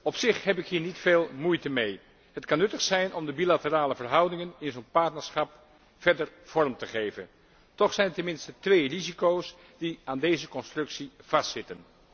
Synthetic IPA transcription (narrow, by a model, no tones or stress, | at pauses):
ɔpsɪχɦɛpɪkɦiːɹnitfeːlˠmujtəmej | ɦətkɑnːɵtəχsɛjnʔɔmdəbilatəraːləvərɦʌwdɪŋənɪnzonpaɹtnəɹsχɑp | fɛɹdəɹv̥ɔɹmtəχejvə̰n | tɔχsɛjntəmɪnstətʋejrizikows | d̥iaːndejzəkɔnstrɵksiv̥ɑstsɪtən